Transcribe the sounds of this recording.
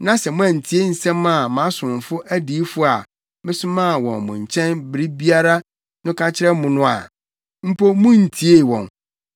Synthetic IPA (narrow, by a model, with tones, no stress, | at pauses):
nã˦sɛ˨mʊ̃˦æ̃˨n̩˨tʰi˨˦e˦n̩˨sɛ̃˦mã˨mã˨˦sʊ̃˨m˨fʊ˦ʔæ˦di˦fʊ˦a˨ | mɪ̃˦sʊ̃˦mã˦˨wɔ̰̃˨nmʊ̰̃˨ɲ̩˨t͡ɕʰɛ̃˦nbɾi˦bi˦a˦ɾa˦ | nʊ̃˦kʰa˦t͡ɕʰɪ˦ɾɛ˦mʊ̃˨nʊ̃˦a̰˨ | m̩˦pʰo˦mʊ̃˦n̩˨tʰi˦e˦˨wɔ̰̃˨n